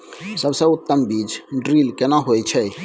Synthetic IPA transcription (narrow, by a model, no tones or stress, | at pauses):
səbsəʊt̪ːəmbiːd͡ʒɖɾiːlkenaɦojt͡ʃʰɛ